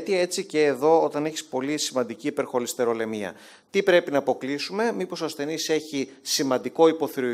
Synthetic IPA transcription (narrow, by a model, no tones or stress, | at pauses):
t̪iɐe̞t͡sice̞ːðo̞ot̪ɐneçi̥spo̞lisimɐnd̪iciːpe̞ɾxo̞list̪e̞ɾo̞le̞miɐ̰ | t̪ipɾe̞pinɐːpo̞klisume̞mipo̞sɐst̪e̞nise̞çisimɐnd̪iko̞ipo̞θiɾo